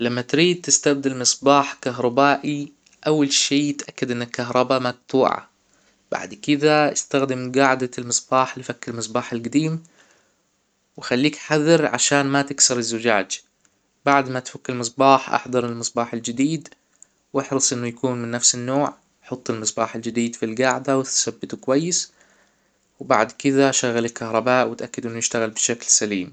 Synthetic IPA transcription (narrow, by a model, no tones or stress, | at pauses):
lamːat̪ɾiːd̪̚t̪ɪst̪ab̚d̪almɨsˤbaːħkaɦɾˤɑbaːʔi | ʔawːalʃiːt̪ʔakːad̪ʔɪnːɪlkːaɦɾˤɑbamak̚t̪uːʕa̰ | b̥a̰ʕd̪kɪd̪aʔɪst̪axd̪ɪmɡaːʕd̪almɨsˤbaːħlɪfakːɪlmɨs̬ˤbaːħɪlɡad̪iːm | wɪxalːiːkħaðɨɾʕa̰ʃaːnmat̪ɪksɑɾˤɪzːʊd͡ʒa̰ːd͡ʒ | baʕd̪mat̪fakːɪlmɨs̬ˤbɑːħʔɑ̰ħd̪ɑɾˤɪlmɨsˤbɑːħɪld͡ʒɪd̪iːd̪ | wɪħɾɨsˤʔɪnːʊjakuːnmɪnːafsɪnːoːʕ | ħɑt̪ˤːɪlmɨsˤbɑːħɪld͡ʒɪd̪iːd̪filɡaʕd̪awɪt̪sabːɪt̪ukwajːɪs | wba̰ʕd̪kɪðaʃaɣːalɪlkahɾˤɑbaːʔwɪt̪ʔakːɪd̪ʔɪnːʊjɪʃt̪aɣalbɪʃaklsaliːm